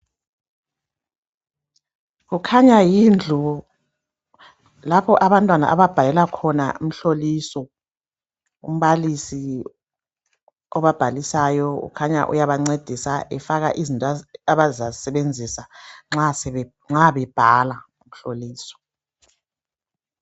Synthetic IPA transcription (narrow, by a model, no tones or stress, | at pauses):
ɣukʰaɲajiːnd͡ɮʱu | lapʰɔʔaβantʼwana̰ʔaβab̥ʱajɛlakʰɔna̰um̩ɬoliːsɔ | ṵm̩βalisi | ɔβab̥ʱalisajɔɣṵkʰaɲa̰ʔṵjaβaŋ͡ǀed̥ʱisaʔɛfaɣaʔizintʼaβazasɛβend͡zʱisaŋ͡ǁasɛ | ŋ͡ǁaβɛb̥ʱala | um̩ɬoliːsɔ̥